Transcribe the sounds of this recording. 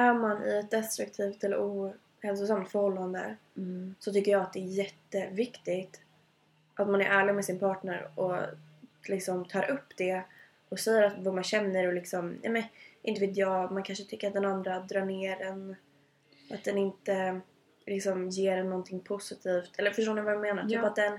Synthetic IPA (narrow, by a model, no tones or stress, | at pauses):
æɾmanʔɪ̰ɛt̪̚d̪ɛst̪ɾɵk̚t̪ʰiːft̪ɛlːə̰ɾuː | hɛlsʊsamt̪fœɾhɔlːand̪ə̰ | sɔt̪ʰʏkːəɾjɑːat̪d̪ɛːɾjɛt̪ːəvɪkt̪ɪɡt̪ | ʔat̪manæɾʔæːɭɪɡmɛsɪnpʰɑːʈɳəɾɔ̰ | lɪksɔmt̪ʰɑːɾʔɵpːd̪ɛ | ɔsɛjːəɾat̪vamanɕɛnːəɾɔlɪksɔmnɛ̰mɛnʔɪnt̪əveːt̪jɑːmankʰanʂət̪ʰʏkːəɾat̪̚d̪ɛnand̪ɾad̪ɾɑːɳeːɖɛn | ʔat̪̚d̪ɛnɪnt̪ə | lɪksɔmjeːɾɛnːɔnt̪ʰɪŋpʰʊsɪt̪ʰiːft̪ʰɛlːəɾfœʂʈoːnɪvaɾɛmeːnaɾt̪ʰːpat̪̚d̪ɛn